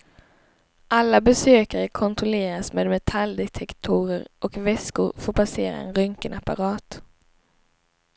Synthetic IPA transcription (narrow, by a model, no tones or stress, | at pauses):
ʔalːabɛsøːkaɾəkʰɔnt̪ɾɔleːɾasmeːd̪mɛt̪ʰald̪ɛt̪ʰɛkt̪ʰuːɾəɾʔɔkvɛskʊɾfoːɾpʰaseːɾa̰ɛ̰nɾœŋkənapa̰ɾɑːt̪